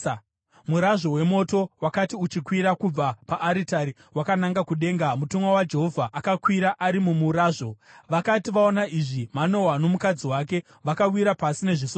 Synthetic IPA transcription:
muɾaʐo̞we̞mo̞to̞wakatiut͡ʃikwiɾakub͡vapaʔːɾitaɾi | wakanaŋɡakuɗe̞ːŋɡamutumwawad͡ʒe̞ɦo̞vʱaʔakakwiɾaʔaɾimumuɾaːʐo̞ʋakatiʋao̞naʔiʐimano̞wano̞mukad͡ziwak̬e̞ | ʋakawiɾapasine̞ʐiso

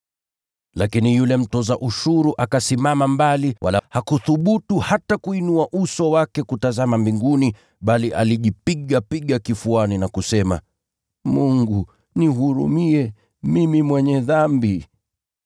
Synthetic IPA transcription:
lakinijulɛm̩tɔzaʔuʃuɾuʔakasimamambaliwʔa̰lahakuθuɓutuhatakuinuaʔusɔwakɛkutazamambiŋɡuni | ɓaliʔa̰liʄipiɠapiɠakifuaninakusɛma̰ | muŋɡu | niɦuɾṵmiɛ | mimimwɛɲɛðambi

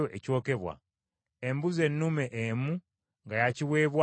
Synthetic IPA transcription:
oʔeco̞ːke̞βwa̰ | embuze̞nːume̞ʔemu | ŋɡajaciwe̞ːβwa

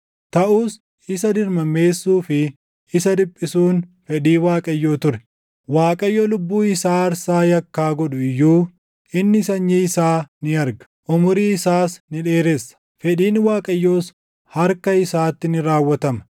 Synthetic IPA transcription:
t̪ɐʔuːs | ɪs̬ɐd̪ɪɾmɐme̞ːsːuːfɪ | ɪsɐd̪ɪpʼːɪsuːnfɛᶑiːwaːkʼɐjːoːt̪ʊɾɛ | waːkʼɐjːoːlʊbːuːɪsaːɐɾsaːjɐkːaːɡɔᶑʊɪjːuː | ʔɪnːɪsɐɲːiːɪsaːnɪɐɾɡɐ̥ʔʊmʊɾiɪsaːsnɪᶑeːɾɛsːɐ̥ | fɛᶑiːnwaːkʼɐjːoːs | hɐɾkɐɪsaːt̪ːɪnɪɾaːwːɐt̪ɐmɐ̥

